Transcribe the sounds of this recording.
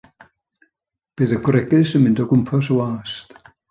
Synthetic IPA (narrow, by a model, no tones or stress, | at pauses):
b̥eːðəɡʰwɾɛɡɨsənmɪndɔɡʊmpʰɔs̬əwaːst